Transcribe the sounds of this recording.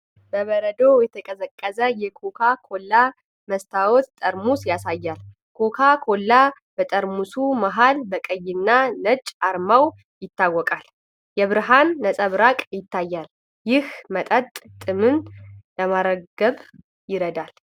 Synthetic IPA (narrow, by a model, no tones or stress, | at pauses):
b̥əβəɾəd̪o̞jɛt̪ʰəkʼəzəkʼːəzəjɛkʰokʰakʰo̞lːa | məst̪ʰawot̪t̪ʼəɾmusjasajːal | kʰokʰakʰo̞lːa | bət̪ʼəɾmusumaɦalbəkʼəjːɪnːanət͡ʃʼːaɾmaw | jɪt̪ːawːɔkʼal | jɛβɨɾɦanːəsʼəβɾakʼjɪt̪ʰːajːal | jɪhmət̪ʼət̪ʼt̪ʼɨmɨnləmaɾəɡəβ | jɪɾəd̪al